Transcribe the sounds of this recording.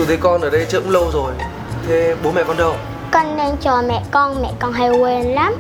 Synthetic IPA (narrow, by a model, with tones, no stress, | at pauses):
u˨˩t̪ʰe˨˦kɔ˧nʔəː˨˩ɗə˧jt͡ɕə̰˧˥mlə˧wzo˨˩j | t̪ʰe˨˦ɓo˨˦mɛ̰˧˨kɔ˧nt̪ʰːw | kə˧nne˧nt͡ɕɔ˧˩mɛ̰˧˨kɔ˧nmɛ̰˧˨kɔ˨˩nɦa˨˩jwe˨˩nla˨˦˥m